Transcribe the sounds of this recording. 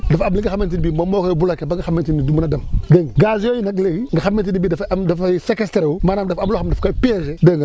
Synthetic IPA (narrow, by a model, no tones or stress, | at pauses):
dafamliŋɡixament̬inbimamokojbulakebaŋɡixamentinidumnadamɡəŋɡiɡazjojinakleɡiŋɡixament̬inibidafdafasekesteɾwumanamdafamloxamdafkapiezedəŋɡa